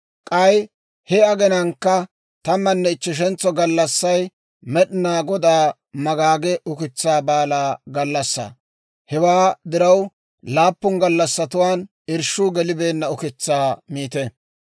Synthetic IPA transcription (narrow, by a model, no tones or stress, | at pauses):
kʼɐj | hɛɐɡɛnɐŋkːɐ | t̪ɐmːɐnːɛɪt͡ʃːɪʃ̬ɛnt͡sːɔɡɐlːɐsːɐj | mɛɗɪnaːɡɔd̪aː | mɐɡaːɡɛʔʊkɪt͡sːaːbaːlaːɡɐlːɐsːɐ̰ | hɛwaːd̪ɪɾɐw | laːpːʊŋɡɐlːɐsːɐt̪ʊwaːn | ɪɾʃuːɡɛlɪbeːnːɐʊkɪt͡sːaːmiːt̪ɛ